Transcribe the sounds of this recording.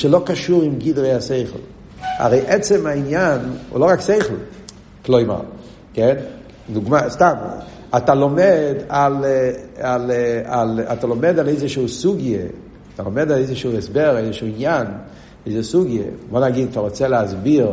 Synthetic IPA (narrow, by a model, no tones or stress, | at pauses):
ʃəlˠokaʃuʁɪmɡidʁeaseɪχl̩ˠ | a̰ʁeɪʔɛt͡sɛmainjanṵlˠoʁakseɪχl̩ˠ | klˠoɪma̰ʁ | kɛn | duɡmastab̰ | atalɔmɛdal | alala̰talɔmɛdaleɪzəʃusuɡjə̰ | talomɛdaleɪzəʃuɛsbɛʁaezəʃuɪnjan | ezəsuɡjə̰vɔnaɡeɪtfaʁɔt͡sɛlazbiʁ